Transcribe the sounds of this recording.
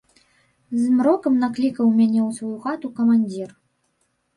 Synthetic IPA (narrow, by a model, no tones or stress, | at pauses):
zmɾɔkɐmnaklʲikɐwmʲanʲɛwsvɔjuɣat̪ukɐmanʲd͡zʲir